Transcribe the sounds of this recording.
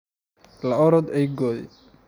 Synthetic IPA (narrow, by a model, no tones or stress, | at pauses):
lɐɔɾɔd̪ɛjɡɔːðɛ̰